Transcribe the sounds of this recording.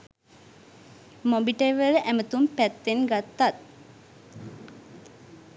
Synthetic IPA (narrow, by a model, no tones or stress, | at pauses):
mobiʈeʋəɾəʔæmət̪umpæt̪ːenɡat̪ːat̪̚